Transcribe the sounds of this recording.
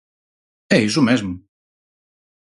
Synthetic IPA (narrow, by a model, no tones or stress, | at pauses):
ejzumɛzmu